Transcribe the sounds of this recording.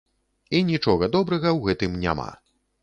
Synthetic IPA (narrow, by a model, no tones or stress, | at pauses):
inʲit͡ʂɔɣɐd̪ɔbɾɐɣɐwɣɛt̪ɨmnʲa̰ma̰